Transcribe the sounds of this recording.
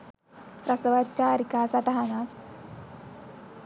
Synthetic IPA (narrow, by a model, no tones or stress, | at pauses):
pɾasəʋat̪̚t͡ʃaɾikasaʈaɦanak